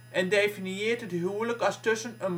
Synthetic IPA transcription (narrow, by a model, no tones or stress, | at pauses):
ʔɛndefinieːrtɦətɦywləkɑlˠstɵsənən